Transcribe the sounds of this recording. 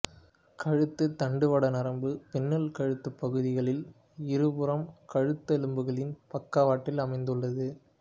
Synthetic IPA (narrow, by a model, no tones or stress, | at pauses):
kɐɻɯt̪ːɯt̪ɐɳɖɯʋɐɽɐnɐɾɐmbɯpɛnːɐlkɐɻɯt̪ːɯpːɐɣɯðɪɣɐɭɪl | ɪɾɯpɯɾɐmkɐɻɯt̪ːɐlɯmbɯɣɐɭɪnpɐkːaʋaːʈːɪlɐmɐɪnd̪ɯɭːɐðɯ